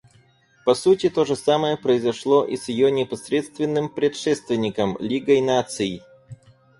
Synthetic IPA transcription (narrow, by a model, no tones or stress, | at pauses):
pɐsutʲɪt̪oʐɨsaməjəpɾəɪzɐʂlˠoʔisjɪjonʲɪpɐsɾʲet̪st̪vʲɪnːɨmpɾʲɪt̪ʂɛst̪vʲɪnʲɪkəmlʲiɡəjnat̪sɨjɪ